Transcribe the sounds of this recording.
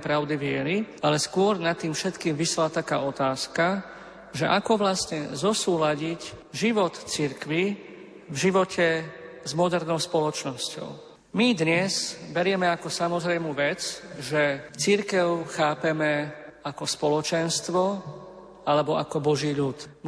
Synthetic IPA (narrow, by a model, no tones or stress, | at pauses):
pɾaʊd̪iʋɪɛɾialɛskʊɔɾnat̪ːiːmfʃɛt̪kiːmʋisɛlat̪aka̰ːɔt̪aːska | ʒɛʔakɔʋlast̪ɲɛzɔsuːlaɟic | ʒiʋɔt̪t͡siɾkʋi | vʒiʋɔcʰɛzmɔd̪ɛɾnɔʊspɔlɔt͡ʃnɔscɔ̰ʊ | mid̪ɲɛzbɛɾɪɛmɛakɔsamɔzɾɛjmuːʋɛt͡sʒɛt͡siɾkɛʊxaːpɛmɛakɔspɔlɔt͡ʃɛnst̪ʋɔ | alɛbɔʔakɔbɔʒiːʎut̪